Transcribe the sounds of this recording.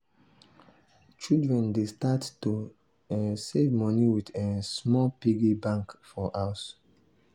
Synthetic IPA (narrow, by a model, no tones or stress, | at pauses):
t͡ʃildɹɛ̃ndestattu | sevmɔniwidɛ̃smɔlpiɡibãŋkfɔʔaʊs